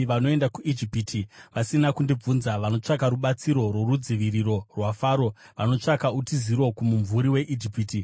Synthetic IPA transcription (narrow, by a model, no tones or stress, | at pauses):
ʋano̞e̞ndakuid͡ʒipitʰiʋasinakundib͡vunzaʋano̞t͡ʂakaɾuɓat͡siɾo̞rwo̞ɾud͡ziʋiriro̞rwafaːɾo̞ | ʋano̞t͡ʂakautiziɾo̞kumuɱvuɾiwe̞ʔid͡ʒipiːti